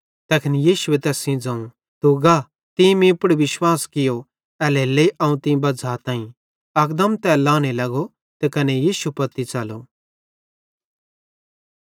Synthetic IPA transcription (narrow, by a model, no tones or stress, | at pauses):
t̪ɐkʰɪnijiːʃʊet̪ɛːsĩd͡zɐ̃ũ | t̪uɡa | t̪ĩmĩpɽiʋɪʃwaːskɪjo | ɛːleːleiʔɐ̃ũt̪ĩbɐd͡zat̪ãːĩ | ɐkd̪əmt̪ɛlãːñelɐɡo | t̪ekɐnejiːʃupɐt̪it͡sɐlo